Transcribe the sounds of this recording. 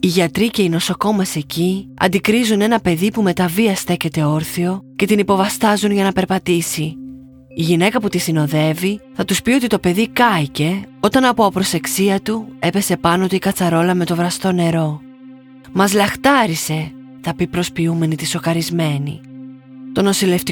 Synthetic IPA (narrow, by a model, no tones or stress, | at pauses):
iʝɐt̪ɾice̞ino̞so̞ko̞mese̞ciɐ̰nd̪ikɾizune̞nɐpe̞ðipume̞t̪ɐviɐst̪e̞cet̪e̞o̞ɾθio̞ce̞t̪inipo̞vɐst̪ɐzunʝɐnɐpe̞ɾpɐt̪isiː | ʝine̞kɐput̪isino̞ðe̞viθɐt̪uspio̞t̪it̪o̞pe̞ðikɐice̞o̞t̪ɐnɐpo̞ɐpɾo̞se̞ksiɐt̪ue̞pe̞se̞pɐno̞t̪ikɐt͡sɐɾo̞lɐme̞t̪o̞vɾɐst̪o̞ne̞ɾo̞ | mɐzlɐxt̪ɐɾise̞ | θɐpipɾo̞spiume̞nit̪iso̞kɐɾizme̞nḭ | t̪o̞no̞sile̞ft̪i